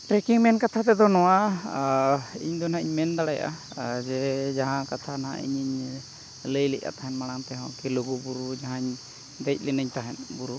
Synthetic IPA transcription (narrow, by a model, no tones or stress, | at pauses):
ʈɾɛkiŋmɛnkat̪ʰat̪̬ɛd̪ɔnɔwa | iɲd̪ɔnaiɲmɛnd̪aɽaja̰ʔa̰ | d͡ʒɛd͡ʒaɦãkat̪ʰanaɦa̰ʔḭɲiɲ | ləjlɛ̰ʔʔa̰t̪aɦɛnmaɽ̃aŋt̪ɛɦɔ̃kɛloɡubuɾud͡ʒaɦãɲ | d̪ɛc̚ˀlɛnəɲt̪aɦɛnbuɾu